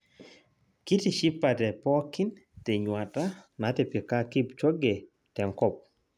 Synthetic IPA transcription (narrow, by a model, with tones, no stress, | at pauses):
ki˦ti˨ʃi˦pːa˨tɛ˨pɔ˦ki˦nte˨ɲwa˨ta˦na˨˦tɛ˨pɪ˨ka˦ki˦pt͡ʃo˦ɡe˨ | tɛ˨ŋkɔ˦p̚